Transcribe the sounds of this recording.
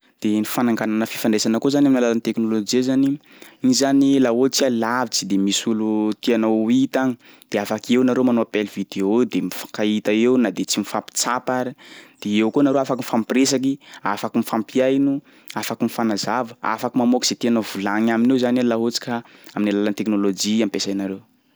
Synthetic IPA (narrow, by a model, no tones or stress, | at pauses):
d̪̥enifanaŋɡananəfi̥faɳɖ͡ʐesanəkozanamnalalant̪eknolod͡ʒiazani | inizanilaɦot͡sialavit͡sid̪emisulut̪ianait̪aŋi | d̪̥eafakewnaɾomanoapelvid̪eod̪emifḁkait̪aewnad̪et͡simifapi̥t͡sapaɾid̪̥eewkonaɾoafakiifampres̬ak̬iafakimifampiajnu | afakimifanazavəa̰fakimamokiz̥et̪ianavulaŋaminewzanalaɦot͡si̥kaaminilalant̪eknolod͡ʒiampesajnaɾew